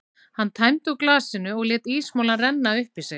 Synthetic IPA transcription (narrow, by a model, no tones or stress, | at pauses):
hanːt̪ʰaːjmt̪uklaːsɪnʏɔɣlɛːt̪iːsmaːwlarɛnːaʏhpisɛ